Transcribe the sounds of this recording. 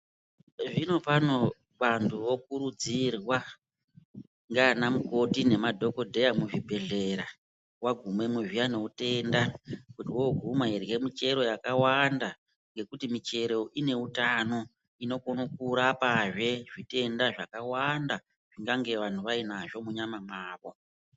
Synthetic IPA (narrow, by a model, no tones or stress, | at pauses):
ʐino̞pano̞ | ɓantʰuʋo̞kuɾud͡zirwa | ŋɡaːnamuko̞tine̞madʱo̞ko̞dʱe̞jamuʐibʱe̞ɮe̞ɾa | waɡʱumwe̞muʐijano̞ute̞ndakutiwo̞ɡʱumairje̞mit͡ʃe̞ɾo̞jakawanda | ŋɡe̞kutimit͡ʃe̞ɾo̞ʔine̞utano̞ | ino̞konukuɾapaʐe̞ʐite̞ndaʐakawanda | ʐ̥iŋɡaŋɡe̞ʋan̤tuʋainaʐo̞muɲamamaːʋo̞